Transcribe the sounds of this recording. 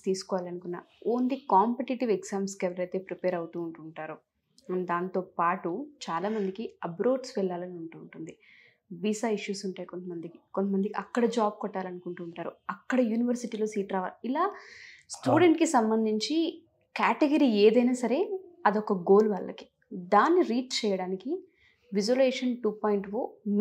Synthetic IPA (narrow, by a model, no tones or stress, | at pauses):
t̪iːsu̥kɔːʋaːlɐnukunːa̰ːoːnd̪ikaːmpeʈiʈiʋeɡzaːmskɛʋɐɾɐjt̪e̞ːpɾipeːɾɐwut̪uːɳʈuːɳʈaːɾu | d̪aːnt̪o̞ːpaːʈut͡ʃaːlaːmɐnd̪ikiɐbɾo̞ːɖsʋɛɭːaːlɐniuɳʈuːɳʈund̪i | ʋiːsaːiʂjuːsuɳʈaːjiko̞nt̪ɐmɐnd̪ikikont̪ɐmɐnd̪ikiɐkːɐɽɐd͡ʒaːb̚kɔʈːaːlɐnukuɳʈuːɳʈaːɾṵɐkːɐɽɐjuːniʋɐɾsiʈiːlo̞ːsiːʈɾaːʋa̰ːlilaːsʈuːɽeɳʈkisɐmbɐnd̪ʱiɲt͡ʃi | kaːʈeɡɐɾiːeːd̪ɐjnaːsɐɾe̞ːɐd̪ɔkɐɡo̞ːlʋaːɭːɐ̰ki̥ | d̪aːnːiɾiːʈ̚t͡ʃɛːjɐɽaːniki | ʋid͡ʒoleːʂɐnʈuːpoːjiɳʈfo̰ːm